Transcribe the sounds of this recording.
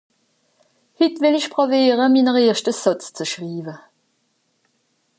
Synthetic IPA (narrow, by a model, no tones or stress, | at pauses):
hɪtvɪlɪçpʁoveːʁəminəʁeːɐʃtəsɔt͡st͡səʃʁiːvə